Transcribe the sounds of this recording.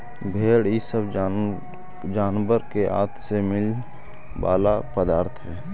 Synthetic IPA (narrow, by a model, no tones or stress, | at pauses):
bʱeːɽisəb | d͡ʒaːnwəɾkeʔa̰ːt̪ʰsemɪl | ba̰ːlapəd̪aːɾt̪ʰɦɛː